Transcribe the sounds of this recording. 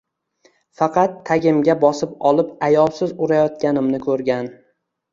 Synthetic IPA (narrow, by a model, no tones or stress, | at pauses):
fɑqʰɑt̪ʰːaɡʲɪmɡʲabɒsɪpɒlˠɪpajɒlˠsɪzʊɾajɒt̪̚kʲanɪmnɪkʰɵɾɡʲan